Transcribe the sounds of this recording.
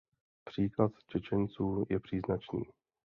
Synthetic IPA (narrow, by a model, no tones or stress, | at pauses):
pr̝̥iːklat̪t͡ʃɛt͡ʃɛnt͡suːjɛpr̥iːznat͡ʃnḭː